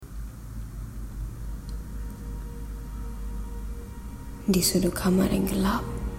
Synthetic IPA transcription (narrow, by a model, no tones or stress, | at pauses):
ndisudokʰamaɾɛ̰ŋɡəlap̚